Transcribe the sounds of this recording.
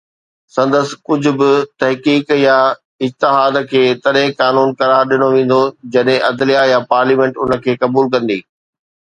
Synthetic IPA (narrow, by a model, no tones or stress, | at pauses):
sɐ̃nd̪əsɪ̥kʊd͡ʑʱʊ̆bɪt̪ɐɦkiːkja | ɪd͡ʑt̪ɪɦaːd̪kʰeːt̪ɐɗɦɪ̃kaːnuːnkɐɾaːɾɗɪñoʋẽːn̆d̪od͡ʑɐɗɦẽʔɐd̪lijajapaːɾliːmẽːɳʈʊnə̆kʰeːkɐbuːlkɐ̃nd̪iː